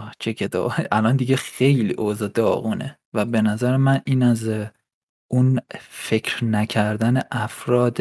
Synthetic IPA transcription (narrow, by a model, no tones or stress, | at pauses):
t͡ʃʰecʰed̪ɒ̰ːʔælɒnd̪iɟexe̞jlḭːʔozɒːd̪ɒːɣuːnḛ | væbe̞næzæɾemæniːnæz | ʔunfe̞cʰɾnæcʰæɾd̪æneʔæfɾɒːd̪